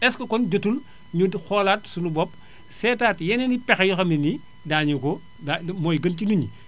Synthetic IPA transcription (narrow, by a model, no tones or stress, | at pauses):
ɛskɐkɔnd͡ʒɐtul | ɲudxɔlatsunubɔp̚ | sɛːtaːtjɛnɛnipɛxjuxɐmini | daːɲukɔ | damɔːjɡɐntinuɲi